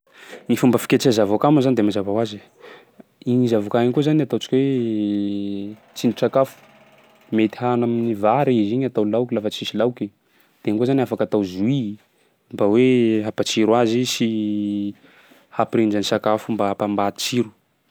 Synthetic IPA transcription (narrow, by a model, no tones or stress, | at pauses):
nifumbəfi̥kʲet͡ʃazavakamazanid̪emazavawazi | iɲizavukaiɲkozanat̪awt͡ʃi̥kʲwe | t͡siniʈ͡ʂakafu̥ | met̪i̥hanaminivaɾiiziɲat̪awlawkʲilafət͡sisilawki | d̪̥enikozaniafakat̪awzui | mbaweɦapat͡siɾwazisi | hapɾind͡ʒanisakafumbaapambat̪it͡siɾu̥